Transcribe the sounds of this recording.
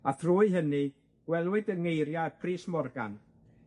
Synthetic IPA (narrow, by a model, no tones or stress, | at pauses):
aθʰrʊːɨɦənɨ | ɡ̥wɛlˠwɨdəŋejɾjapʰriːsmɔrɡa̰n